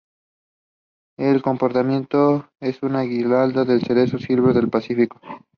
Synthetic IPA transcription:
elko̞mpo̞ɾt̪amjẽ̞nt̪o | esunaɣilald̪aðelseɾesosilβeðelpasifiko̥

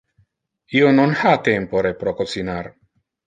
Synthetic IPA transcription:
iononhat̪empoɾepɾokosinar

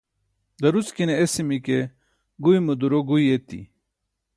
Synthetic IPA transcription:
d̪ɐɾuskineesimike | ɡujmud̪uɾoɡujet̪ḭ

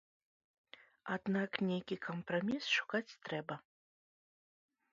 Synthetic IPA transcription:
ad̪naknʲejkʲikʰɐmprɐmʲisʂu̥kat͡sʲt̪ɾɛbɐ

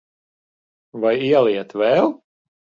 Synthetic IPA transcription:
vajiɛlˠiɛt̪vɛlˠ

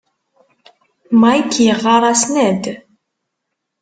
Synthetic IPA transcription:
majkːjəʁːɑɾˤɑsnæd̪

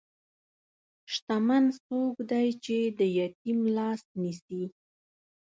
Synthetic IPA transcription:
ʃt̪amansoɡd̪ajt͡ʃed̪əjɑt̪imlɑsnisi

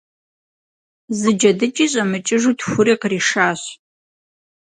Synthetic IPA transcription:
zɨd͡ʒɐdɨt͡ʃʼiːɕʼɐmɨt͡ʃʼɪʒuːtxʷʊriːqriːʂaːɕ

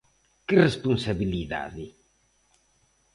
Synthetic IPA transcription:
kirespunsaβiliða̰ði

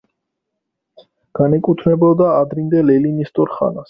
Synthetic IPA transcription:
ɡ̥anɛkʼut̪ʰnɛbɔd̪aːd̪ɾind̪ɛlɛlinist̪ʼɔɾχa̰nas

